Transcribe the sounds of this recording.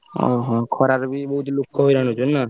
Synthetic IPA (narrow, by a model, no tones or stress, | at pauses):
o̰ɦɔ̃kʰɔɾaɾbʱibʌɦut̪lukʰːɔɦojɾaɦnut͡ʃʰunːʌ